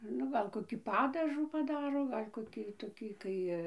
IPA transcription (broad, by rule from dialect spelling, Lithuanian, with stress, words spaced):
ˈnʊ ɡɐlˠ koːˈkʲiː ˈpɑːdɐʒuː pɐˈdɑːroː ˈɡɐlʲ koːˈkʲiː toːˈkʲiː ˈkɐɪ